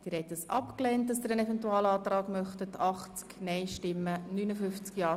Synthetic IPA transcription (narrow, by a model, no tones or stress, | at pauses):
d̥ɪːɾhɛtəsɑ̰pklɛːnt̚dɑsd̥̪ɪːɾənɛfɛntuɑːlɑːt̪rɑːɡmœχtətʰɑχt͡sknɛɪʃtɪmːənynəfʏft͡skjɑː